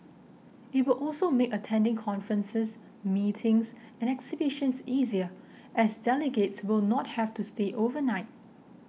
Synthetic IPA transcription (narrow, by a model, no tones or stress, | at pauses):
ɪt̚wɪlʔɔlsomekətʰɛ̃ndɪ̃ŋkʰɔ̃nfɹə̃nsəs | mitʰɪ̃ŋs | ɛ̃nɛksibiʃə̃nsiziə | ʔɛsdɛləɡetswɪlˠnɔt̚hɛftusteʔovənaɪt̚